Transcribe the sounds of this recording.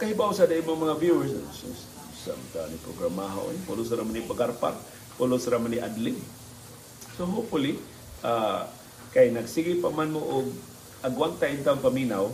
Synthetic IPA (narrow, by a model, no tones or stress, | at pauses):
kaɦibawsadaʔimʊŋmaŋavjuəss | sa̰mt̪a̰nipɾoɡɾamaɦa̰w̰ipʊlʊs̬aɾamanipaɡarpa̰r̚ | pʊlʊsaɾamaniʔadlɪŋ | soɦopfʊli | ʔa | kajnaɡsiɡipamanmoʔʊɡ̚ | ʔaɡwant̪aʔint̪aʊŋpaminaw